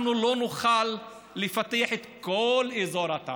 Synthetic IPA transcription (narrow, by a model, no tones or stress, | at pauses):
nulonuχalː | efat̪ɛaħet̪kolezoɾat̪a̰